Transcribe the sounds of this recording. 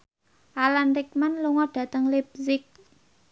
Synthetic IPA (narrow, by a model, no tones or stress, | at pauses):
ʔalanrik̚manluŋɔɖ̥ä̤t̪əŋleb̚zɪk̚